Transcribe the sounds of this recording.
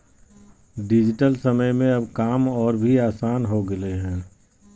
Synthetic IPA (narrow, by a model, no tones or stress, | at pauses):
ɖɪd͡ʒɪʈəlsəməjmẽɐbkaːmɔːɾbʱiaːsaːnɦoɡəleɦɛ̃ː